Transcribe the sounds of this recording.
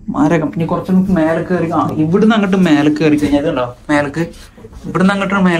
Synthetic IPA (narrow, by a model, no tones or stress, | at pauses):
ma̰ːɾɐkːɐmpːɐɲːɐkurɐt͡ɕːɐmukːɨme̞ːlɐkːɨɐrikʲːumaːiʋiɽunɐŋːɐʈːɨmeːlɨkːɨɐrikʲːɐiɲːɐðɐlːoːmeːlɐkːɨ | iʋiɽunɐŋːɐʈːɨnmeː